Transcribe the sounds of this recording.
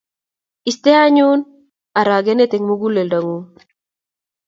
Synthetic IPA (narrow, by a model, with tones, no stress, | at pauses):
i˨st̪e˦a˦ɲun | a˨ɾa˨ɡe˦ne˦t̪e˨ŋmo˦ɡu˦le˨lda˨ŋu˦